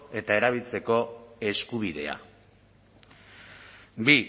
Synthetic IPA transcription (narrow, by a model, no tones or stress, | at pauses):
e̞t̪ae̞ɾaβ̞ilt͡se̞ko̞e̞skuβ̞iðe̞̰a̰ | bi